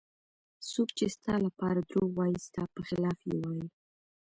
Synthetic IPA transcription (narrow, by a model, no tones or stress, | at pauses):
sokt͡ʃest̪ɑlapɑɾad̪ɾowɑjist̪ɑpəxɪlɑfjḛwɑjə